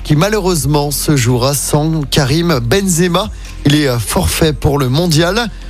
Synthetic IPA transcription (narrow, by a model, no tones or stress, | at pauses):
kʲimaløʁøzmɑ̃səʒuʁasɑ̃kaʁimbɛnzema | ilɛøfɔʁfɛpuʁləmɔ̃d̪jal